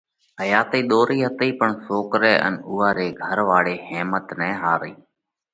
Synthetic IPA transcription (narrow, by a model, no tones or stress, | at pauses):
ɦəjaːt̪eːɗ̪oːɾiːɦət̪iːpəɳsoːkɾɛːʔə̰nʊːɦaːɾeːɡʱəɾʋaːɽeːheːmət̪nɛ̃ːɦaːɾiː